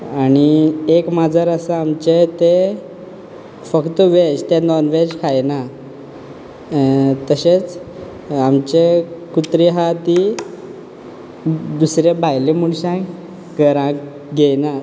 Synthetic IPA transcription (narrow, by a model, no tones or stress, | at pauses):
aɽ̃iekmad͡zʱəɾəsaamt͡ɕet̪e | fəkt̪əʋed͡ʑt̪enɔnʋed͡ʑkʰajna | t̪əɕet͡s | amt͡ɕekut̪ɾiɦat̪i | d̪usɾebʱajlemuɳɕãk | ɡəɾã | ɡena